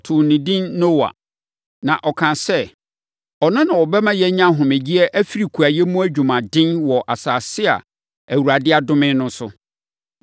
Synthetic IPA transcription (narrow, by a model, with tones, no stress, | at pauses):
tʰʊ˨nĩ˨dĩ˦nːo˦wa̰˨ | nã˨ʔɔ˨kʰã˨sɛ˦˨ | ɔ˨nʊ̃˦nã˨wɔ˨bɛ˦mã˦jɛ˦ɲã˦ɦʊ̃˨me˨d͡ʑi˦ɛ˦ʔæ˦fi˦ɾi˨kʰu˨a˨jɛ˦mũ˦æ˦d͡ʑᶣu˨mã˨dɪ̃˦nwɔ˨ʔa˨saː˨sɪ˦a̰˨ | æ˨wu˨ɾa˨dɪ˦a˨dʊ̃˦mɪ̃˦nʊ̃˦sʊ˨